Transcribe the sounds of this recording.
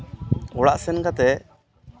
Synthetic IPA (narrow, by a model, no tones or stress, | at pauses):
ɔɽaʔsɛnkat̪ɛ